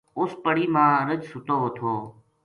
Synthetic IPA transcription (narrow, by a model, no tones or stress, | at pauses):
ʊspəɽiːmãːɾəd͡ʒsʊt̪oːɦoːt̪ʰoː